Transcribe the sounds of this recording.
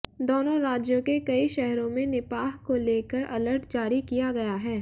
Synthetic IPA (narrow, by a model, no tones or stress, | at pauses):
d̪oːnõɾaːd͡ʒjõkekɐiʃɛɦɾõmẽnɪpaːɦkoleːkəɾɐ̰ləɾʈd͡ʒaːɾikijaɡɐjaɦɛː